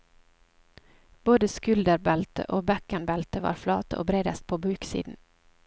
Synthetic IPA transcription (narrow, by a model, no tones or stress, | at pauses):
b̥oːd̪əskʉld̪əɾbɛlt̪ə̰ʔoːbɛkənbɛlt̪əʋɑ̰ːɾflɑ̰ːt̪əo̰ːbɾeːd̪əst̪̚pʰoːbʉːksḭːd̪n̩